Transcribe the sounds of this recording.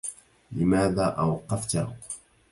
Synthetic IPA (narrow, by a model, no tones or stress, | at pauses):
lɪmaːðaːʔawɑqːɑft̪a